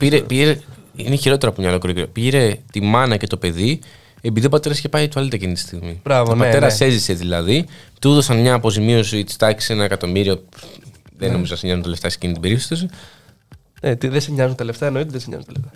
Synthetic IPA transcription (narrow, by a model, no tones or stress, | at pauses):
piɾepiʝeɾeineçiɾo̞t̪e̞ɾɐpumɲɐlokɾociɾopieɾe̞t̪imɐnɐce̞t̪o̞pe̞ði | epiðio̞pɐt̪e̞ɾɐscepɐjt̪uɐlit̪ɐcinit̪ist̪iɣmibɾavnpɐte̞ɾɐse̞zise̞ðilɐðit̪uðosɐnmɲɐːpo̞zimio̞sit̪i̥st̪ɐki̥senɐekɐt̪o̞miɾio̥ | ðeno̞mizoɐseɲɐzunt̪eleft̪ɐse̥cinit̪ibe̞ɾipst̪o̞si | net̪iðesiɲɐzunt̪eleft̪ɐenoit̪eðesiɲɐ̰zunt̪eleft̪ɐ